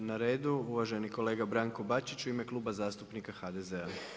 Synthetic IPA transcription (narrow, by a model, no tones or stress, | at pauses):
naɾe̞ːd̪uuʋaʒe̞niko̞leːɡabɾaŋkobat͡ʃit͡ʃuime̞klˠuːbazaːst̪upnikaxad̪ezea